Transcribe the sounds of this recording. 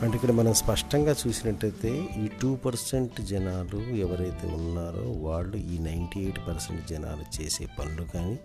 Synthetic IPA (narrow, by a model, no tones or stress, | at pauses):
ɐɳʈeikːɐɽɐmɐnɐmspɐʂʈɐŋɡaːt͡ʃuːsinɐʈːɐjt̪e̞ːiːʈuːpɐɾseɳʈd͡ʒɛnaːluɛʋɐɾɐjt̪e̞̰ːunːaːɾo̰ːʋaːɭːuiːnɐjɳʈiːejʈpɐɾsḛɳʈd͡ʒɐna̰ːlut͡ʃe̞ːse̞̰ːpɐnlukaːni